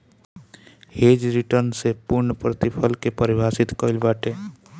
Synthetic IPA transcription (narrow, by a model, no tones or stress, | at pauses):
heːd͡ʒɾiʈəɾnsepʊɾɳəpɾət̪ipʰəlkepəɾɪbʱaːsɪt̪kɔɪlbaːʈeː